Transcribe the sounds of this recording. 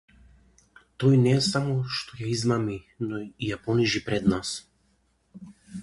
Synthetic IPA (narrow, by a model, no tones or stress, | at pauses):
t̪ɔjnɛːsamɔʃt̪ɔjaizmami | nɔijapɔniʒipɾɛd̪nas